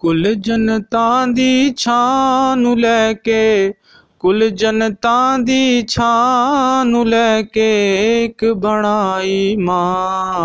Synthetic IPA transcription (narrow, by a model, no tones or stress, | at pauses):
kʊld͡ʒənt̪ãːd̪iːt͡ʃʰãːnũːlɛːkeː | kʊld͡ʒənt̪ãːd̪iːt͡ʃʰãːnũːlɛːkeːkbʱəɳ̃aːiːmãː